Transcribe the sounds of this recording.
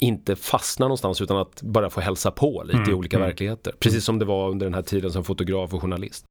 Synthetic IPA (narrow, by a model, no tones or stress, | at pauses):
ɪnt̪əfasnanɔnst̪ansʉːt̪anat̪bœɾjafoːɦɛlsapʰɔlḭːt̪əɪuːliːkavæɾklɪɡheːt̪ə̰ɾpʰɾɛsiːsːɔmd̪ɛvaɵnd̪əɖɛnɦæːʈʰiːd̪ənsɔmfʊt̪ʊɡɾɑːfɔɧʊɳalɪ̰st̪